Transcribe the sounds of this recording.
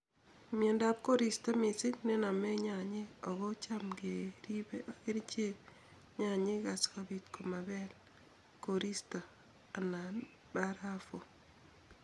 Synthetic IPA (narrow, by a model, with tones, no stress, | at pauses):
me˨nda˦p̚ko˦ɾi˨sta˦mɪ˨sɪ˦kne˦na˨me˦ɲa˨ɲɪ˦ɔ˨ɣɔ˦t͡ʃamɡeɾi˦beke˦ɾt͡ʃe˦k | ɲa˨ɲɪ˦ka˨ska˨bi˨tkʰo˨ma˨bɛ˦l | ko˨ɾi˦sta˨ | a˨na˨ | ba˦ɾa˦fo˨